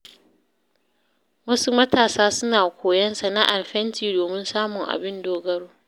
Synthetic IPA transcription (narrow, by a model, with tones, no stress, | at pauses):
wɐ˦su˦mɐ˦taː˨saː˦sʊ˦naː˨kʷoː˨jɐ˦nsa˨na˦ʔa˨lɸɛ˦ntiː˨doː˨mɪ˦nsaː˦mʊ˨ŋʔa̰˨bɪ˦ndoː˦ɡɐ˦ɽoː˦